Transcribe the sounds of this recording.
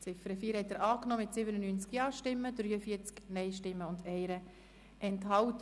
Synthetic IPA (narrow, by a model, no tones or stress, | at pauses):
t͡sɪfəɾəfiːɾhɛtːəːɾɑːknɔːmɪtsɪbənənyːnt͡skjɑːʃtɪmːədɾyːəfiːt͡sknɛɪʃtɪmːəʊndɛɪɾə | ʔɛnthɑwt